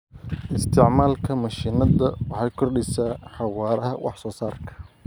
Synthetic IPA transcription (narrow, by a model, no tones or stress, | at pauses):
ʔɪst̪ʰɪʕmaːlkʰɐmɐʃiːnɐðɐwɑħɑjkʰɔrɗɪsaːħɑwɑːɾɐɦɐwʔɑ̰ħsɔːsaːrkʰɐ̥